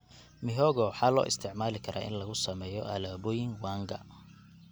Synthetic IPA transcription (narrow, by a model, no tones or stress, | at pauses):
mɪɦɔːɣɔwħɑːlɔ̰ːʔɪ̰st̪ʰɪʕmaːlɪkʰɐɾʔa̰ːʔɪ̰nlɐɣʊsɐmɛːjɔʔɐ̰laːbɔːjɪŋwaːŋɡɐ̰